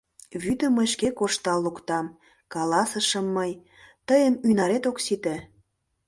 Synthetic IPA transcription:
βyd̪ə̆məʃkekoʃt̪ɑlːukt̪ɑm | kɑlɑsəʃəmːəj | t̪əjənynɑɾet̪oksit̪ĕ

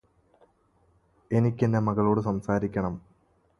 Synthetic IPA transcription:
e̞nikʲːenːemɐɣɐɭo̞ːɽɨsɐmsaːɾikʲːɐɳɐm

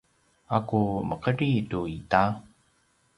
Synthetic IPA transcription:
akuməqəɾituita

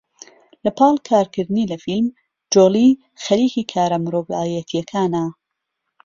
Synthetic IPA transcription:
lɐpʰɑːlˠkʰaːɾkʰɨɾd̪ɨnilɐfilm | d͡ʒoːli | xɐliːkiːkʰaːɾɐmɾoːbɑːjɐt̪ʰijɐkʰaːnɐ

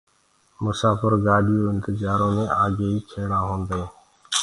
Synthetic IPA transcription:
mʊsaːfəɾɡaːɗɪjõːɪ̃nt̪ɪzaːɾõːmẽːʔaːɡeːiːkʰeːɽãːɦõːnd̪aẽː

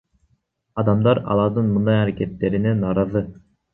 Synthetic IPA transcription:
ɑd̪ɑmd̪ɑɾɑ̰lˠɑɾd̪ɯnmɯnd̪ɑjɑɾeket̪ːeɾinɛnɑɾɑðɯ

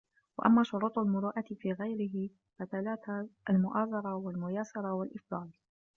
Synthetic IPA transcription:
wa̰ʔamːaːʃʊɾuːt̪ˤalmʊɾuːʔat̪ɪfiːɣajɾɪɦɪ | faθalaːt̪aalmʊʔaːzˤɑɾˤɑwalmʊjaːsɑɾˤɑwalʔɪfd̪ˤɑːl

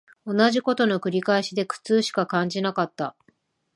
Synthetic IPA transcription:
o̞naʑiko̞t̪o̞no̞kɯ̟ɾʲikaiɕid̪e̞kɯ̟̥t͡sɨːɕi̥kakãɲd͡ʑinakat̪ːa

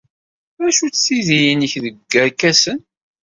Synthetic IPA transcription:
æʃut͡sːiðijinəçðəɡːəɾkæsən

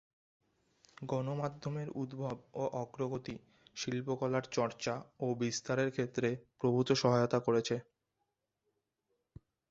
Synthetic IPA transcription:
ɡɔnomad̪ʱːomeɾud̪bʱɔboʔɔɡɾoɡot̪i | ʃilpokɔlaɾt͡ɕɔɾt͡ɕaobist̪aɾeɾkʰet̪ːɾepɾobʱut̪oʃɔɦajot̪akoɾet͡ɕʰe

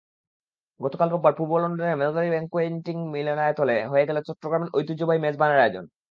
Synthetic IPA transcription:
ɡɔt̪okalbɔbaɾpuɾbɔlonɖonemeld̪aɾibɛŋkːoeɳʈiŋmilenaet̪oleɦojeɡelot͡ɕɔʈːɾoɡɾameɾʔojt̪ud͡ʑobajmed͡ʑbanaɾad͡ʑo̰n

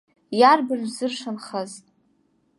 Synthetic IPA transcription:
jarbɨrzɨrʂanχaz

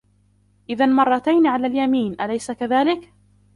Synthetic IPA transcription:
ʔɪðanmɑrˤːɑt̪ajnʕalaːljamiːnʔalajsakaðaːlɪk

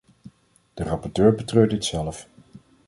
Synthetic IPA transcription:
d̥ərɑpɔɹtøːɹbətrøːɹdɪtsɛlf

